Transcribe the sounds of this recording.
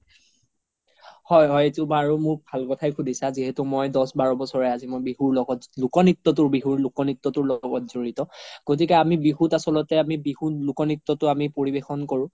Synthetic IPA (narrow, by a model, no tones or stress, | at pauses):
hɔjɦɔjetubaɹumʊɹbʱalkɔtʰajkʰudʱisaziɦɛtumojdɔsbaɹɔbɔsɔɹɛazimojbihuɹlɔɡɔtlukɔnitːɔt̬ʊɹbiɦuɹlukɔnitːɔtʊɹlɔɡɔtz̥oɹitɔɡ̥ot̬ikɛamibiɦutasɔlɔtɛamibihulʊkɔnitːɔtʊamipoɹibexɔnkɔɹʊ̃